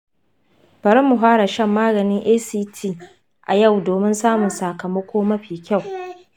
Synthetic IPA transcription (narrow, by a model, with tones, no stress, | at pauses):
b̥ɐ˨ɾɪ˦mːu˨ɦaː˦ɽa˨ʃɐ˦˨mːaː˦ɡɐ˨nɪ˦ŋʔeː˦siː˦tʰiː˦˨ | ʔa̰˨ja˦˨wdoː˨mɪ˦nsaː˦mʊ˨nsaː˨kɐ˨mɐ˦kʷʰoː˦mɐ˦ɸiː˨kʲa˦˨w